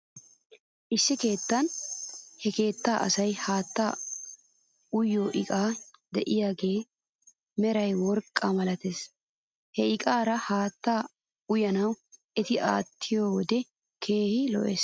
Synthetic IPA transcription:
ʔɪsːɪke̞ːt̪ːɐnhɛke̞ːt̪ːaːʔɐsɐjhaːt̪ːa | ʊjːoːʔɪkʼaːd̪ɛʔɪjaːɡe̞ː | mɛɾɐjwɔɾkʼːɐmɐlɐt̪eːs | hɛɪkʼaːɾɐhaːt̪ːaː | ʊjɐnɐw | ɛt̪ɪʔa̰ːt̪ʰːɪjoːwɔd̪ɛ | kʰe̞ːhɪlɔ̰ʔḛːs

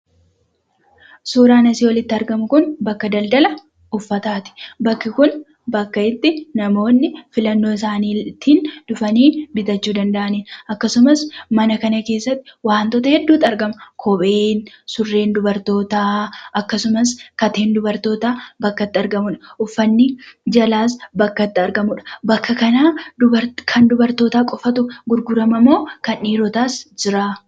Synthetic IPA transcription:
suːɾaːnɐsiːwɔlɪt̪ːɪɐɾɡɐmʊkʊnbɐkːɐd̪ɐld̪ɐlɐ | ʊfːɐt̪aːt̪ɪ̥bɐkːɪkʊn | bɐkːɐɪt̪ːɪnɐmo̞ːnːɪfɪlɐnːo̞ːɪs̬aːniːt̪ʰind̪ʊfɐniːnbɪt̪ɐt͡ʃːuːd̪ɐnd̪ɐʔɐniːnɐkːɐsʊmɐsmɐnɐkɐnɐke̞ːsːɐt̪ːɪwaːnt̪ot̪ɐhɛd̪ːuːt̪ːɐɾɡɐmɐkʰɔbeːnsʊrːe̞ːnd̪ʊbɐɾt̪o̞ːt̪aːʔɐkːɐsʊmɐskɐt̪e̞ːnd̪ʊbɐɾt̪o̞ːt̪aːbɐkːɐt̪ːɪɐɾɡɐmʊᶑɐʔʊfːɐnːɪd͡ʒɐlaːs̬bɐkːɐt̪ːɪɐɾɡɐmʊᶑɐ̥bɐkːɐkɐnaːd̪ʊbɐɾkʰɐnd̪ʊbɐɾt̪o̞ːt̪aːkʼɔfɐt̪ʊɡʊɾɡʊɾɐmɐmo̞ːkɐniːɾɔt̪aːsd͡ʒɪɾaː

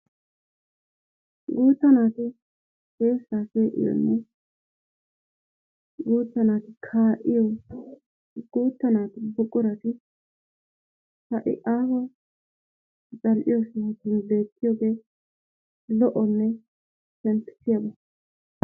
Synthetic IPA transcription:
ɡuːt̪ːɐnaːt̪ɪ | keːsːaːseːʔɪ̰jɔ̰nːɛ | ɡuːt̪ːɐnaːt̪ɪkʰaːʔɪjɔ | ɡ̥uːt̪ːɐnaːt̪ɪbʊkʼːʊɾɐt̪ɪ | hɐʔɪ̰ʔaːhɐ | t͡sʼɐlʔɪjɔsɪhɐt̪ːɪnbe̞ːt̪ʰːɪjɔɡe̞ː | lɔʔɔnːɛ | sɛnt̪ːɪ̥sɪjabɐ

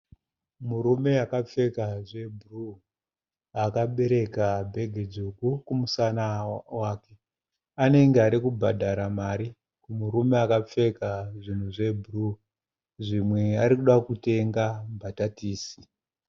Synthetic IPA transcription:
muɾume̞akap͡fe̞kaʐe̞bʱuru | akaɓe̞ɾe̞kabʱe̞ɡʱed͡zukukumusanawaːke̞ | ane̞ŋɡeaɾikubʱadʱaɾamaɾi | kumuɾumeakap͡fe̞kaʐin̤uʐe̞bʱuru | ʐimwe̞aɾikuɗakute̞ŋɡambʱatatiːsi̥

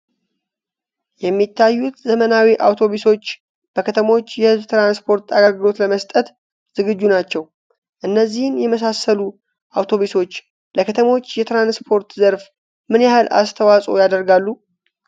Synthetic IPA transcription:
jɛmːit̪ʰːajːut̪zəmənawiʔawt̪ʰo̞βuso̞t͡ʃː | b̥əkʰət̪ʰəmo̞t͡ʃːjɛhɨzbt̪ɾanspʰo̞ɾt̪ʰaɡaɡɨlo̞t̪ləməst̪ʼət̪ | z̥ɨɡɨd͡ʒːunat͡ʃːɛw | ʔɨnːəzːihɨnjɛməs̬asəlu | ʔawt̪ʰo̞βuso̞t͡ʃː | ləkʰət̪ʰəmo̞t͡ʃːjɛt̪ɾanspʰo̞ɾt̪zəɾf | mɨnjahɨlʔa̰st̪ʰəwasʼo̞̰jad̪əɾɡalːu

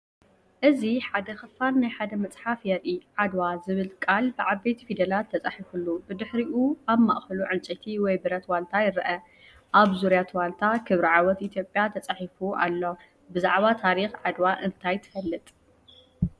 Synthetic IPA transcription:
ʔɨziħad̪ɐxɨfːanːajħad̪ɐmɐt͡sʼħafjɛɾʔiʕad̪wazɨβɨlkʼalbɨʕaβːejt̪ʰifid̪ɐlat̪ʰːɐt͡sʼaħifulːubɨd̪ɨħɾiʔuʔaβma̰ʔxɐluʕɨnt͡ʃʼit̪ʰiwɔjbɨɾɐt̪walt̪ʰajɪɾɐʔɐ | ʔaβzuɾjat̪walt̪ʰakʰɨβɾiʕawɔt̪ʔit̪ʰjo̞pʼjat̪ʰɐt͡sʼaħifuʔa̰lːo̞ | bɨzaʕβat̪ʰaɾixʕad̪waʔɨnt̪ʰajt̪ʰɨ̥fɐlːɨt̪ʼ

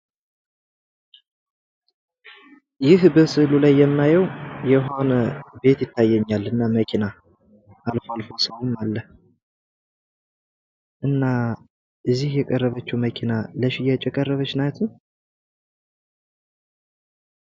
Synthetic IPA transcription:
jɪhbəsɨlulajːɛmːajəwjɛɦo̞nəbe̞t̪jɪt̪ʰːajːɛɲːalɨnːaməkʰina | ʔalfoalfo̞səwmalːəh | ʔɨnːa | ʔɨzːihjɛkʼərːəβət͡ʃːɛməkʰinaləʃɪjat͡ʃʼɛkʼərːəβət͡ʃnat̪ʰu

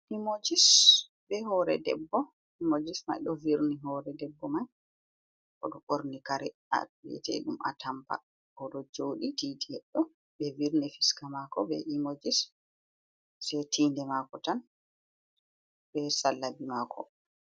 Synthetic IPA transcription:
ʔimod͡ʒis | bɛhɔɾɛ̰dɛ̰bːɔ | ʔimod͡ʒisma̰jɗɔviɾniɦɔːɾɛdɛbːɔmaj | ʔɔɗɔɓoɾnikaɾɛa̰ɓɛ̰tɛ̰ɗumʔa̰tampa̰ | kɔɗɔd͡ʒoɗititɛɛɗːɔ | bɛviɾnɛfiskamakɔbɛ̰ʔimod͡ʒis | sɛtʰiːndɛmakɔtan | bɛsalːabimakʰɔ̰

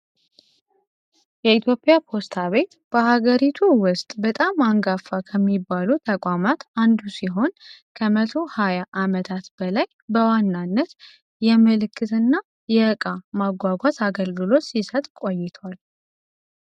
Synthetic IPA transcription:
jɛit̪ʰjo̞pʼːɪjapʰo̞st̪ʰaβe̞t̪ | b̥əhaɡəɾit̪ʰuwʊst̪ʼbət̪ʼamːaŋɡafːakʰəmːibːalut̪ʰəkʼʷamat̪and̪usiɦo̞nkʰəmət̪ʰo̞hajaʔamət̪ʰat̪b̥əlaj | bəwanːanːət̪ | jɛmɨlɨkːɨt̪ɨnːa | jɛkʼamaɡʷaɡʷat̪aɡəlɡɨlo̞t̪sisət̪ʼkʼo̞jɪt̪ʰwal

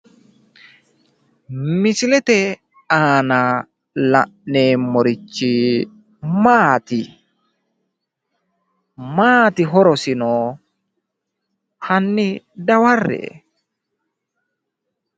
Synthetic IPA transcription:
mislɛt̪ɛ | aːna | la̰nɛmoɾit͡ʃːi | maːt̪i | maːt̪iɦɔɾɔsinɔ | hanːi | dawarːɛ̰

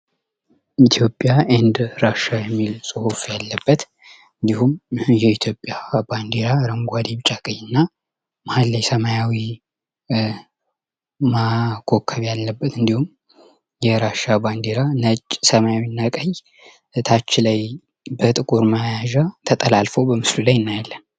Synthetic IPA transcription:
it̪ʰjo̞pʼjaʔend̪ɾaʃajɛmːilsʼɨhofjalːəbːət̪ | ɨnd̪ihumjɛit̪ʰjo̞pʼːjaband̪eɾaɾəŋɡʷad̪iβt͡ʃʼakʼəjːɨnːa | mahalːajsəmajawi | makʰokʰːəβjalːəbːət̪ɨnd̪ihum | jɛɾaʃaband̪eɾanət͡ʃʼsəmajawinːakʼəj | t̪ʰat͡ʃːɪlaj | bət̪ʼɨkʼuɾmajaʒat̪ʰət̪ʼəlalfobəmɨslulajɨnːajalːən

